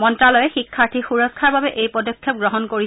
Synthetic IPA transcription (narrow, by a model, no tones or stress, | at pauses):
mɔntɹalɔjɛxikʰːaɹtʰixuɹɔkʰːaɹbabɛʔejpɔdɔkʰːjɔp̚ɡɹɔɦɔnkoɹi